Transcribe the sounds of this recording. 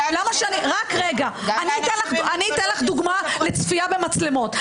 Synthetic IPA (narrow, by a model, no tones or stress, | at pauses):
lamaʃeaniʁakʁeɡaaniit̪enlaχaniːt̪enlaχd̪uɡmalet͡sfiabe̞mat͡sle̞mo̞t̪